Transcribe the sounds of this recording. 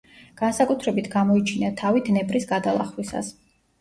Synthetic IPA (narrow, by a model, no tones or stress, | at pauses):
ɡ̥ansakʼut̪ʰɾɛbit̪ʰɡamɔit͡ʃʰinat̪ʰavid̪nɛbʼɾisɡad̪alˠa̰χwisa̰s